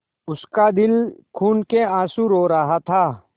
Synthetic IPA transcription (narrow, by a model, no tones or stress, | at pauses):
ʊskad̪ɪlkʰuːnkeãːsuɾoːɾɐɦat̪ʰaː